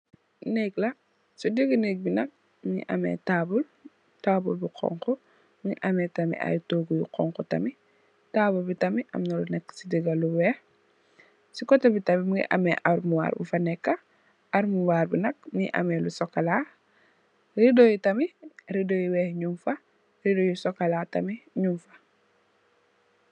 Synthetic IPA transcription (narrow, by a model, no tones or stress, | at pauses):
nɛklɐ | sudiɡɐnek̚binɐk̚ | miŋḭʔɐmɛ̰taːbul | taːbulbuqʰɔ̰ŋkɔ | miŋḭʔɐmɛtɐmḭʔa̰jtoɡujuqɔ̰ŋkɔtɐ̰mi | taːbulbitɐmiʔɐ̰mnɐlunɛkːsidiɡɐluwɛːh | sikɔtɐbitɐmimiŋḭʔɐ̰mɛʔɐɾmuwa̰ːɾbufɐnɛkːɐ | ʔɐɾmuwaːɾbunɐk̚miḭʔɐ̰mɛlusɔkːɐla | ridojutɐmiridojuwɛːhɲumfɐ | ɾidojusɔkːɐlatɐmiɲumfɐ̥